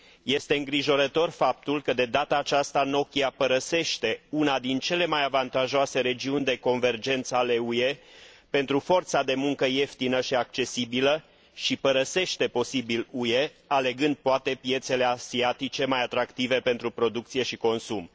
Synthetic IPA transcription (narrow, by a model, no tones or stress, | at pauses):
je̞st̪e̞ɨŋɡɾiʒo̞ɾət̪o̞rfap̚t̪ulkəd̪e̞d̪at̪aːt͡ʃast̪ano̞kʲiapəɾəse̞ʃt̪e̞unad̪int͡ʃe̞le̞majavant̪aʒoase̞ɾe̞d͡ʒiunʲd̪e̞ko̞nve̞rd͡ʒe̞nt̪səale̞uje̞pe̞n̪t̪ɾufo̞rt̪sad̪e̞muŋkəje̞ft̪inəʃiak̚t͡ʃe̞sibilə | ʃipəɾəse̞ʃt̪e̞po̞sibiluje̞ | ale̞ɡɨnd̪̚poat̪e̞pje̞t̪se̞le̞asiat̪it͡ʃe̞majat̪ɾakt̪ive̞pe̞nt̪ɾupɾo̞d̪uk̚t̪sije̞ʃiko̞nsum